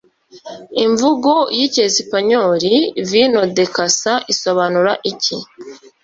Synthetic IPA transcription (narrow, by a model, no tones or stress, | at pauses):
iɱvuɡo̞jicesipaɲoɾivino̞de̞kasaʔiso̞βanuɾaʔici